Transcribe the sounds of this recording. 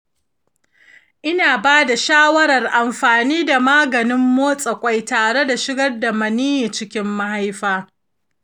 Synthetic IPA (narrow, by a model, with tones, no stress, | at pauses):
ʔɪ˦naː˨baː˦da˨ʃaː˦wɐ˦ɾɐ˨rʔa˨mɸaː˨niː˦da˨maː˦ɡɐ˨nɪ˦mːoː˦sʼɐ˨kʷʼa˦jtaː˨ɽe˦da˨ʃɪ˦ɡɐ˦rda˨mɐ˨niː˦ji˨t͡ʃɪ˦kʲɪ˦mːa˦ha˦jɸaː˦